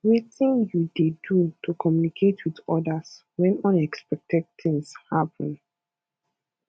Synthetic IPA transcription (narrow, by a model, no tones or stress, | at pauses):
wetĩnjudedutʰukʰɔmjunikʰetʰwiðɔdas | wɛ̃nɔ̃nɛkspɛk̚tʰɛd̚θɪ̃ŋshapə̃n